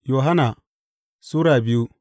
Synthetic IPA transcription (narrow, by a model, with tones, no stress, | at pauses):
jo˨ɦa˦na˨ | su˦ɾa˨bi˦ju˦